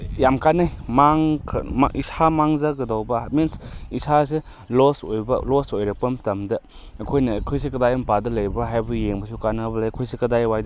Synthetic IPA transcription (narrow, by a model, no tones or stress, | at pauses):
jamkanajmaŋkʰm̰ʔisʰamaŋzɐɡɐdawbɐminsisas̬e | losojbɐlosojɾɐpɐmtɐmdɐː | kʰojnɐkʰojsekɐdajɐmpadɐlɐjbɐɦajbɐjeŋbɐsukanɐbɐlɐjkʰojsekɐdajwajd